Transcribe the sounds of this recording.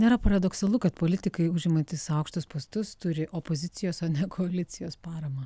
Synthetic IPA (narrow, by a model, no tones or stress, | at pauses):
nʲeːɾɐpɐɾɐd̪oːksɐlˠʊkɐt̪poːlʲɪt̪ʲɪkɐɪʊʒʲɪmɐt̪ʲɪsɐʊkʃt̪ʊspɐst̪ʊst̪ʊɾʲɪʔopoːzʲɪt̪sʲɪjoːsɐnʲɛkʰoɐlʲɪsʲɪjoːspɑːɾɐmɐ